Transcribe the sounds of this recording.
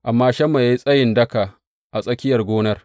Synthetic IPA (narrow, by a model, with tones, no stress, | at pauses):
ʔa˨mːaː˦ʃɐ˦mːa˨ja˦ji˦sʼɐ˦jɪ˨ndɐ˦ka˨ | ʔa˨sʼɐ˦kʲɪ˦jɐ˨rɡʷoː˦nɐ˦r